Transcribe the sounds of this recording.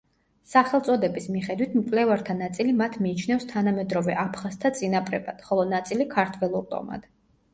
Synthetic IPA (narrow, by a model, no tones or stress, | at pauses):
saχɛlˠt̪sʼɔd̪ɛbismiχɛd̪wit̪ʰmkʼlɛvaɾt̪ʰanat̪sʼilimat̪ʰmiːt͡ʃʰnɛfst̪ʰanamɛd̪ɾɔvɛ̰ʔapʰχast̪ʰat̪sʼinapʼɾɛ̰bad̪̥χɔlˠɔnat̪sʼilikʰaɾt̪ʰwɛlˠuɾt̪ʼɔ̰ma̰d̪̥